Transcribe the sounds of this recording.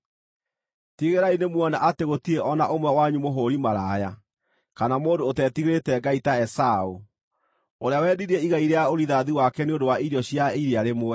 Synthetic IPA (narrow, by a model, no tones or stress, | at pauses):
tiɣeɾainemwɔnaʔateɣotieʔɔnaʔomwɛwaɲumoɦoɾimaɾaːja | kanamoːndoːtɛtiɣeɾetɛɡaitaɛsao | oɾeawɛdiɾiɛiɣaiɾeaoɾiðaðiwakɛneondowaʔiɾjɔɕjaiɾiaɾemoɛ